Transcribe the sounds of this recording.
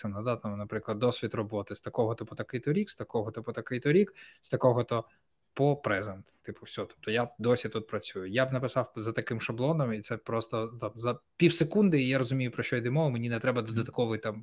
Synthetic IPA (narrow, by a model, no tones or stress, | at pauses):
enɐd̪at̪ɑmnɐpɾɪklˠɐd̪ːɔsʲʋʲit̪rɔbɔt̪ɪst̪ɐkɔɦɔt̪ɔpɔt̪ɐkɪjt̪ɔɾʲikst̪ɐkɔɦɔt̪ɔpɔt̪ɐkɪjt̪ɔɾʲikst̪ɐkɔɦɔt̪ɔ | pɔpɾɛzɛnt̪t̪ːɪpʊwsʲɔɦɔt̪ɔ̥p̚t̪ɔjad̪ɔsʲit̪ut̪̚pɾɐt͡sʲujʊjabnɐpɪsɑwzɐt̪ɐkɪmʃɐblˠɔnɔmit̪sɛpɾɔst̪ɔt̪ɑmzɐpʲiwsekund̪ɪjaɾɔzʊmʲijʊpɾɔt͡ʃɔjd̪ɪmɔʋʊmenʲinɛt̪ɾɛbɐd̪ɔd̪ɐt̪kɔʋɪjt̪ɑm